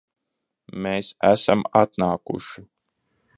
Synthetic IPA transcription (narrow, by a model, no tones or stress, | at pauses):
meːsæsamat̪̚naːkṵʃi